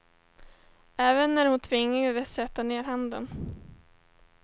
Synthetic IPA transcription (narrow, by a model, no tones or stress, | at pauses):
ɛːvənːæɾhʊnt̪ʰvɪŋːavɛsɛt̪ːaneːɾɦand̪ə̰n